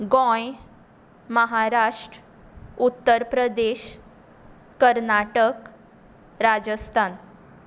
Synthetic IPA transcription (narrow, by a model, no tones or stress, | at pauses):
ɡɔ̃j | məɦaɾaʂʈɾ | ut̪ːəɾpɾəd̪eɕ | kəɾnaʈək | ɾad͡ʑəst̪ʰan